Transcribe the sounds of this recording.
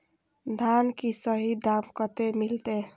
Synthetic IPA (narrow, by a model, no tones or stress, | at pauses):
d̪ʱankisʌɦid̪amkʌt̪emilt̪e